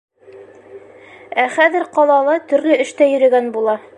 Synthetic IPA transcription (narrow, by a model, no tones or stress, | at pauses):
æχæðɘ̆ɾqɑlˠɑlˠɤt̪ɵ̆ɾlɵɘ̆ʃt̪æjɵ̆ɾɘ̆ɡænbulˠɑ